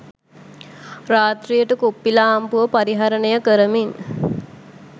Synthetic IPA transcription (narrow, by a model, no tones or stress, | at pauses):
raːt̪rijəʈəkopːilaːmpuʋəpaɾiɦaɾənəjəkəɾəmin